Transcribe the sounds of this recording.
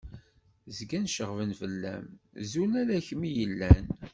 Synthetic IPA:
zɡænʃəʁvənfəlːæ̰mzunæɾæçmijəlːæn

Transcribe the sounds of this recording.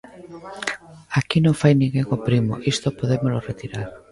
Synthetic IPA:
akinõŋfajnĩŋɡeŋopɾimo̰ʔist̪opoðemoloret̪iɾaɾ

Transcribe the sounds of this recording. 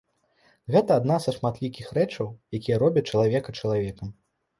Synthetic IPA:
ɣɛt̪ɐːd̪nazɐʂmat̪lʲikʲixɾɛt͡ʂɐwjakʲijɐɾɔbʲɐt͡ʂɐlˠavʲɛkɐt͡ʂɐlˠavʲɛkɐm

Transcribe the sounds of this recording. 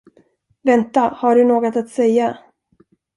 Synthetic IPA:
vɛnt̪ahaɖɵnoːɡɔt̪at̪sɛjːa

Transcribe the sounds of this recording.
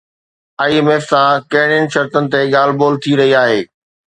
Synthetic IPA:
aːiemeːfsãkɐ̃ɦɪɽ̃ɪənɪ̆ʃɐɾt̪ənɪ̆t̪eɠaːl̤boːlt̪ʰiɾɐɦiaːɦeː

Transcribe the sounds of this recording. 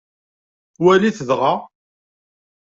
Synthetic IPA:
wæliθəðʁa

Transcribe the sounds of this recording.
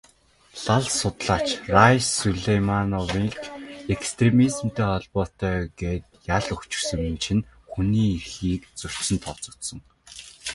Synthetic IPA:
ɮaɮsʊt̪ɮaːt͡ɕrajsuɮejmanɔwiŋkekst̪ʰremiz̆mt̪eːχɔɮpɔːt̪œːɡeːt̪jaɮɵkt͡ɕɪ̆rsɵ̆ŋɘnt͡ɕʰɪ̆nxuniːirxiːkt͡sɵr̥ʲt͡ɕsɘ̆nt̪ʰɔt͡sʊ̥t̪sɞ̆ŋ

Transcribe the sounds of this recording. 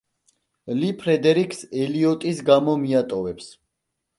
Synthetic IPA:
lipʰɾɛd̪ɛɾikʰsɛliɔt̪ʼisɡamɔmiat̪ʼɔvɛps

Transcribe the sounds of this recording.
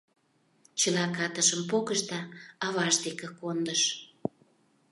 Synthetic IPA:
t͡ɕəlɑkɑt̪əʃəmpokəʃt̪ɑɑβɑʃd̪ekĕkond̪əʃ

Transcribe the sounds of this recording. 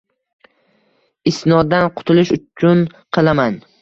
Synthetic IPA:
ɪst̪nɒd̪anqʰʊ̥t̪ʰʊlɪʃʊt͡ʃʰʊn | qʰɨlˠaman

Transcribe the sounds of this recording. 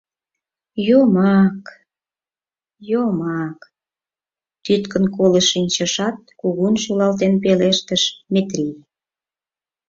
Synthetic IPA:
jomɑk | jomɑk | t̪yt̪kə̆nkoləʃinʲt͡ɕəʃɑt̪̚kuɣunʃulɑlt̪enpeleʃt̪əʃmet̪ɾʲi

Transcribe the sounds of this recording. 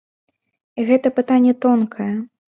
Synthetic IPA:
iɣɛt̪ɐpɨt̪anʲːɛt̪ɔnkʰɐjɐ

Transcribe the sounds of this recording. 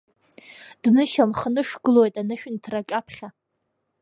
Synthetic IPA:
d̥nɨʃamχnɨʂɡɨlojtʼanɨʃᶣntʰrakʲʼapʰχʲa

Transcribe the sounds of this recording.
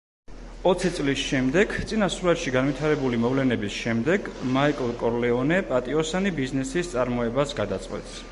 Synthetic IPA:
ɔt̪sʰit̪sʼlisʃɛmd̪ɛɡt̪sʼinasuɾat̪ʃiɡanvit̪ʰaɾɛbulimɔvlɛnɛbisʃɛmd̪ɛɡmaikʼlˠkʼɔɾlɛɔnɛpʼat̪ʼiɔsanibiznɛsist̪sʼaɾmɔɛbasɡad̪at̪sʼqʼwɛ̰t̪ʼs

